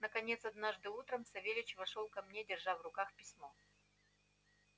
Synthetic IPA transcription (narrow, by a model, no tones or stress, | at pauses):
nəkɐnʲe̞t̪sɐd̪naʐd̪ɨut̪ɾəmsɐvʲelʲɪt͡ɕvɐʂolˠkɐmnʲedʲɪrʐavrʊkaxpʲɪsʲmo